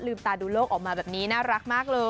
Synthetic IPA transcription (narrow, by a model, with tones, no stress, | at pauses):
lɯː˧mt̪aː˧duː˧loː˥˩k̚ʔɔː˨˩k̚maː˧bɛː˨˩p̚niː˦˥naː˦˥˩ɾa˦˥k̚maː˥˩k̚lɤː˧